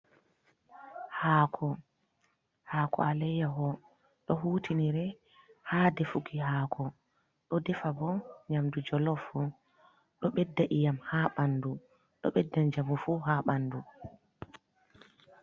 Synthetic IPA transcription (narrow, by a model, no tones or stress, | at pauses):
haːkʰɔ | haːkʰɔ̰alɛjaɦɔ | ɗɔɦuːtʰiniɾɛ | haːdɛfuɡiɦaːkʰɔ | ɗɔdɛfabɔɲamdud͡ʒɔlɔfu | ɗɔɓɛdːaʔijamhaːɓandu | ɗɔ̰ɓɛdːaɲd͡ʒamufuɦaɓandu